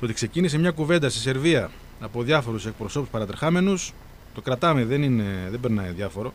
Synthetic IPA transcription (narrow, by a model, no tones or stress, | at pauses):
t̪oo̞t̪ikse̞cinisemɲɐkuve̞nd̪ɐst̪ese̞ɾviɐː | po̞ðjɐfo̞ɾuse̞k̚pɾo̞so̞puspɐɾɐt̪eɾxɐme̞nus | t̪o̞kɾɐt̪ɐmeðe̞nineðe̞beɾnɐiðjɐfo̞ɾo̞